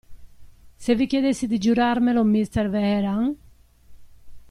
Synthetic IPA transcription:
sevikjed̪esid̪id͡ʒuɾaɾmelomist̪eɾveheɾaŋ

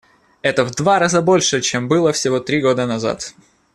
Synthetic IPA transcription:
ɛt̪əvd̪vaɾazəbo̞lʲʂɨt͡ɕembɨlˠəfsʲɪvo̞t̪ɾʲiɡo̞d̪ənɐza̰t̪

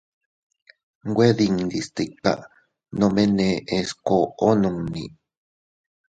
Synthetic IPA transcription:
ɡʷweðiŋd̪ist̪ika̰ | nomeneʔeskoonoŋni

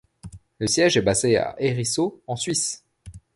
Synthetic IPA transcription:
ləsjɛʒɛbazea̰ʔeʁisoɑ̃sɥis

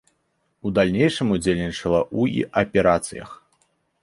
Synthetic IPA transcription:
ud̪alʲnʲejʂɨmud͡zʲelʲnʲit͡ʂɐlˠɐʔuḭʔɐpʲɛɾat̪sɨ̰jɐ̰x

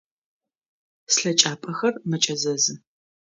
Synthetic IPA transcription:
sɬɐt͡ʃʼaːpʼɐxɐrmɐt͡ʃʼɐzɐzɨ

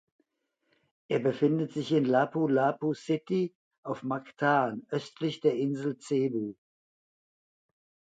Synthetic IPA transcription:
ʔeːɐbəfɪndətz̥ɪçɪnlaːpulapusɪti | ʔaʊfmaktʰaːnʔœstʰlɪçd̥eːɐɪnzl̩t͡seːbuː

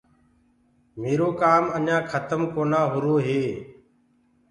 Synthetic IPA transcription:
meːɾoːkaːmənãːkʰət̪əmkoːnaːɦʊɾoːɦeː

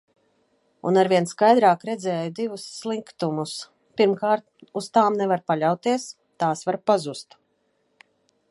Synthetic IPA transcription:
ṵnaɾvʲiɛnskajd̪ɾaːkɾɛd̪zɛːjud̪ivusːlˠiŋkt̪umus | piɾmkaːɾt̪̚uz̥t̪aːmnɛvaɾpalʲawt̪iɛs | t̪aːsvaɾpazust̪

